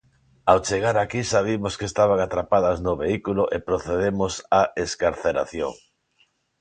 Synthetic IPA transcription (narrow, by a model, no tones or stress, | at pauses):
awt͡ʃeɣaɾakisaβ̞imoskest̪aβ̞aŋat̪ɾapaðɐznʊβeikulʊʔepɾoθeðemʊsaeskaɾθeɾa̰θjoŋ